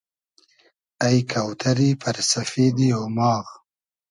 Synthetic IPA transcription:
ajkʰawt̪ʰaɾipʰaɾsafed̪ijowmɑːɣ

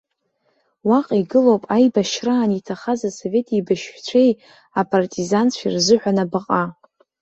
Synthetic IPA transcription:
waqʼiɡɨlowpʼajbaʃraːnitʰaχazaso̞ve̞tʰʼibaʃt͡ɕʷʰej | apʰʼartʼizant͡ɕʷʰḭrzɨħʷᶣanabaqʼa

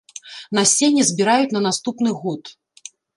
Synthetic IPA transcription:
nasʲenʲɛzʲbʲiɾajut͡sʲnɐnast̪upnɨɣɔt̪

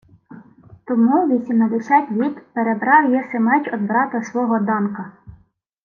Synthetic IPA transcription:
t̪ɔmuʋʲisʲimned̪esʲɑtʲʋʲit̪peɾebɾɑwjɛsemɛt͡ʃɔd̪̚bɾɑt̪ɐsʋɔɦɔd̪ɑnkɐ

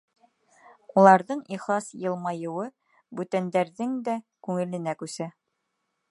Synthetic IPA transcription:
ulˠɑɾðɤɴiχlˠɑsjɤ̆lˠmɑjɤ̆wɤ | bʉt̪ænd̪æɾðɘŋd̪ækʉŋɘ̆lɘ̆nækʉsæ

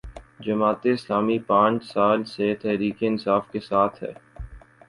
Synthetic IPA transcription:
d͡ʒɐmaːt̪eɪslaːmipãːt͡ʃsaːlset̪ɛɦɾiːkeɪnsaːfkesaːt̪ʰɦɛ̰ː

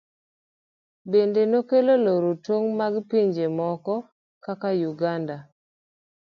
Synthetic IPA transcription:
bendenokeloloɾotwoŋmaɡpiɲd͡ʒemɔkɔ | kakajuɡanda

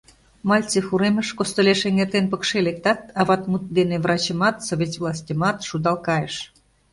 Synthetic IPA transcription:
mɑlʲt͡sexuɾeməʃkost̪oleʃeŋert̪enpəkʃelek̚t̪ɑt̪ɑβɑt̪mut̪̚d̪enevrʔɑt͡ɕəmɑt̪soβʲetʲvlˠɑsʲtʲəmɑt̪ʃud̪ɑlkɑjəʃ

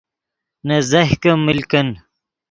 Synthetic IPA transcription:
nɐzɐhkɐmilkɐn

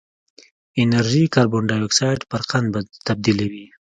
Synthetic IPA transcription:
ɪnaɾʒikaɾbʊɳɖaweksɑjʈpəɾqand̪bat̪ab̚d̪ilawi

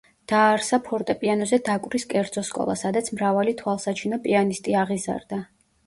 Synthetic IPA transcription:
d̪̥aːɾsapʰɔɾt̪ʼɛpʼianɔzɛd̪akʼvɾiskʼɛɾd̪zɔskʼɔ̰lˠa̰sad̪at̪sʰmɾavalit̪ʰwalˠsat͡ʃʰinɔpʼianist̪ʼiaʁiza̰ɾd̪a

